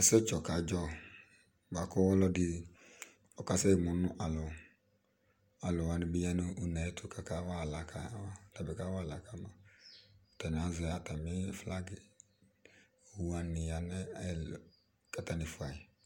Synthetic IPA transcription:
ɛ˨˦sɛ˦t͡ʃɔ˨ka˨˦d͡ʒɔ˦˨ | ba˨kɔ˦wɔ˦lɔ˦dɪ˨˦ | ɔ˨ka˨˦sɛ˦˨mʊ˨nʊ˦ʔa˨lʊ˨ | a˨lʊ˨wa˨nɪ˨bi˦jɛ˦nʊ˦u˨nɛ˨˦tʰʊ˨ka˨ka˨˦wa˦˨la˨kʰa˨˦wa˦la˨bɛ˨ka˦wa˦˨la˨ka˨˦ma˨ | ta˨n˨a˨˦zɪ˨˦a˨ta˨mɪ˦fla˦ɡɪ˨ | wu˦a˨nɪ˨ja˨nɛ˦ɛ˨˦l | ka˨ta˦nɪ˨fʊ˨a˨ɪ˨

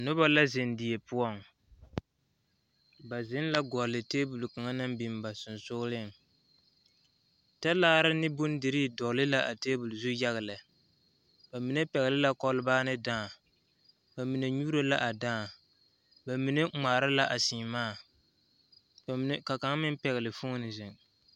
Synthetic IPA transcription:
a˨nʊ˦ba˦la˦zɪ˨ndɪ˨e˨pʊ˦ɔ˦˨ŋ | ba˨zɪ˦n˦la˦ɡɔ˨lɪ˨teː˦bu˨lu˨ka˨ŋa˦nɨ˦mbi˨mba˨sʊ˨nsʊ˦ɣlɪ˦˨ | ta˦laː˦ɾɪ˦nɪ˦bʊ˦n˦dɪ˨ɾi˦˨dɔ˨lɪ˦la˦ʔa˨teː˦bu˨lu˨zu˦ja˦ɣa˨lɨ˨ | ba˨mi˨ne˦pɛ˨ɣɪ˨lɪ˦la˦kɔ˦lɨ˦baː˦nɨ˦daː˦˨ | ba˨mi˨ne˨ɲu˦ɾa˦la˦ʔa˨daː˦˨ | ba˨mi˨ne˦ŋ͡maː˨ɾa˦la˦ʔa˨siː˨maː˦˨˦ | ka˨ka˨˦ŋ˦mɪ˦n˦pɛ˨ɣɪ˨lɪ˨fʊ˦ŋ˦nɪ˨zɪ˨ŋ

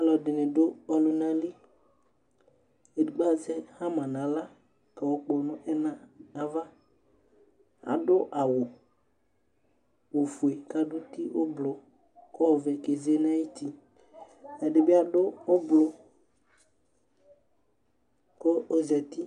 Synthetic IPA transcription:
a˨lɔ˨dɪ˨nɪ˨dʊ˦ɔ˨lʊ˦nã˨li˦ | e˨dɡ͡ba˦˨zɛ˦hã˦mã˨nã˨˦la˦ | ka˨wo˦k͡pɔ˨˦nʊ̃˦ʔɛ˦nã˨nã˨va˦ | a̰˨dʊ˦ʔa˨wʊ˨ | wo˨fu˨e˨ka˨dʊ˦t̪i˦ʔo˦blʊ˨ | ko˦˨vɛ˨ke˨ze˦nã˦ji˦t̪i˦ | ɛ˨dɪ˨be˦a˨dʊ˦ʊ˦blo˦ | koː˦zɛ˨t̪i˦

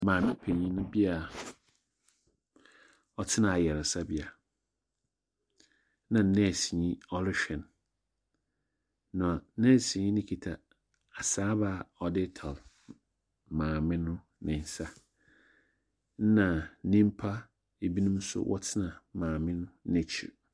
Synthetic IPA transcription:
mãː˨mɪ̃˦pʰe˨ɲĩ˦nʊ̃˦bi˦a˨ | ɔ˨tʰɪ˦nã˨jɛ˨ɾa˨sa˦bi˦a˨ | nã˨˦nɛ̃˦˨si˨ɲĩ˦ɔ˦lɪ˦ʃᶣɛ̃˨n˦ | nã˨a˨˦nɛ̃˦˨si˨ɲĩ˦nɪ̃˦kʰi˨tʰa˨ | a˨saː˦ba˦˨ɔ˨dɪ˦tʰa˨l | mãː˨mɪ̃˦nʊ̃˦ | nɪ̃˨n˨sa˦ | nã˨˦nĩ˦m˦pʰa˦ | e˨bi˦nũ˦m̩˦sʊ̰˦wʔɔ̰˦tʰɪ˦nã˨mãː˨mɪ̃˦nʊ̃˦nɪ̃˨t͡ɕʰi˦˨

